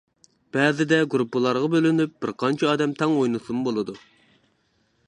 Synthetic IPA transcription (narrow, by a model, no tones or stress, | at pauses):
b̥ɛːzɪd̪ɛɡɾupːɨlˠɑɾʁɑbølɪnyp̚b̥ɪɾqɑnt͡ʃʰɛɑːd̪ɛmt̪ʰɛŋojnusumbolˠɨd̪u